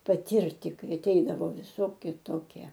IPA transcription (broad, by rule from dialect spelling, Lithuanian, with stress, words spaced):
pɐˈtʲiːrʲtʲɪ ˈkɐɪ ɐˈtʲɛɪdɐʋoː ʋʲɪˈsoːkʲɪ ˈtoːkʲiɛ